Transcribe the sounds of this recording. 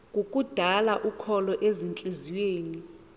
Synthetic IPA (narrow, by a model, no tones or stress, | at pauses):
k̬ʼukʼud̥ʱalaʔukʰɔlɔʔezint͡ɬʼiziweːni